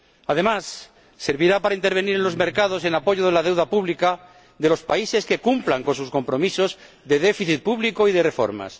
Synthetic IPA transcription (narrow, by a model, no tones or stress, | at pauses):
að̞e̞masː | e̞ɾβiɾapaɾaint̪eɾβ̞e̞niɾenlo̞zme̞ɾkað̞o̞s̬e̞napo̞ʝoð̞e̞lað̞e̞wðapuβlika | ðe̞lo̞spaise̞ske̞kumplaŋko̞nsusko̞mpɾo̞miso̞z | ðe̞ðe̞fiθit̪̚puβliko̞iðe̞re̞fo̞̰ɾma̰s